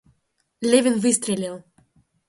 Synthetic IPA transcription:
lʲevʲinvɨst̪ɾʲelʲelˠ

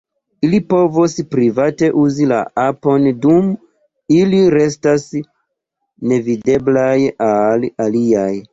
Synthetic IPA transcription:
ilipo̞vospɾivate̞ʔuzila̰apo̞ndum | iliɾe̞stas | ne̞vide̞blajalaliaj

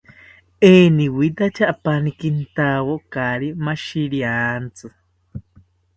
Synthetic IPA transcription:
eniwid̪at͡ʃaʔːpanikint̪awokaɾimaʃiɾiant͡sɨ

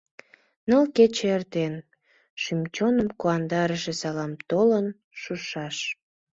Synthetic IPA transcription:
nəlket͡ɕeert̪en | ʃymt͡ɕonəmkuɑnd̪ɑɾəʃesɑlɑmt̪olən | ʃuʃɑʃ

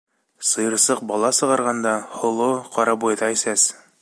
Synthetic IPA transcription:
sɤ̆jɤ̆ɾsɤq̚bɒlˠɑsɤ̆ʁɑɾʁɑnd̪ɑhŏlˠoqɒɾɑbujd̪ɑisæs

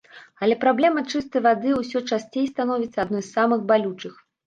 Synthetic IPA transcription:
ɐlʲɛpɾablʲɛmɐt͡ʂɨst̪ɐjvad̪ɨusʲɔt͡ʂasʲt͡sʲejst̪anɔvʲit̪sɐad̪nɔjssamɨxbalʲut͡ʂɨx

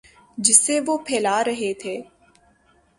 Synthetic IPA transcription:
d͡ʒɪsːeʋopʰɛːlaːɾɐɦet̪ʰeː

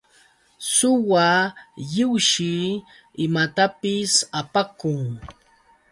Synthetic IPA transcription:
sʊwajɪwʃɪ | ɪmat̪apɪsapakʊŋ

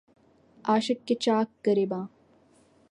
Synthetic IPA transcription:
aːʃɐkːet͡ʃaːkːəɾebãː

